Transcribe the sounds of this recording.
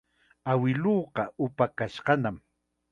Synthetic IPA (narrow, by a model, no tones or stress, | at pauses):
awɪloːqɑʔʊpakaʃɢɑnam